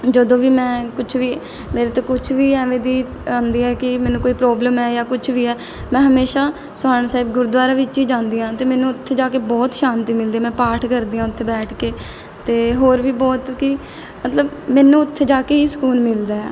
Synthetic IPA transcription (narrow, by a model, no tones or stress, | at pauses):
d͡ʒəd̪õːʋiːmɛ̃ːkʊt͡ʃʰʋiː | meːɾeːt̪õːkʊt͡ʃʰʋiːɛːʋẽːd̪iː | ãːnd̪iːɛːkɪmɛ̃ːnũːkoːiːpɾɔːbləmɛːjaːkʊt͡ʃʰʋiːɛː | mɛ̃ːɦəmeːʃaː | sʊaːəɳsaːɪːbɡʊɾd̪ʋaːɾaːʋɪt͡ʃiːd͡ʒãːnd̪iːãːt̪eːmɛ̃ːnũːʊt̪ʰːeːd͡ʒaːkeːbɔːt̪ʃãːnt̪iːmɪld̪iːmɛ̃ːpaːʈʰkəɾd̪iːãːʊt̪ʰːeːbɛːʈʰkeː | t̪eːɦoːɾʋiːbɔːt̪kɪ | mət̪ləbmɛːnũːʊt̪ʰːeːd͡ʒaːkeːiːsə̥kuːlmɪld̪aːɛ̰ː